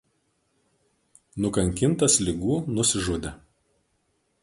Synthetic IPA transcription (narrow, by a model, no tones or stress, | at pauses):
nʊkɐŋʲkʲɪnˑt̪ɐslʲɪɡuːnʊsʲɪʒʊd̪ʲɛ